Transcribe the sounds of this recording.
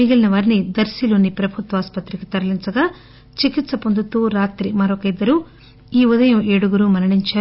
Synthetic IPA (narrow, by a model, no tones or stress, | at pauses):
miɡilɐnɐʋaːɾnid̪ɐɾsiloːnipɾɐbʱut̪ʋɐaːspɐt̪ɾikit̪ɐɾɐlint͡ʃɐɡaː | t͡ʃikit̪sɐpond̪ut̪uːɾaːt̪ɾimɐɾokɐid̪ːɐɾu | iːud̪ɐjɐmeːɽuɡuɾuːmɐnɐɽiɲt͡ʃaːɾu